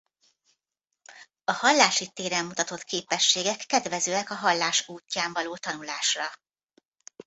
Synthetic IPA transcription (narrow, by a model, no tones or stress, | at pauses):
ɒhɒlːaːʃit̪eːɾɛmːut̪ɒt̪o̞t̪kʰeːpɛʃːeːɡɛkːɛd̪vɛzøːɛkɒɦɒlːaːʃuːcːaːɱvɒloːt̪ɒnulaːʃrɒ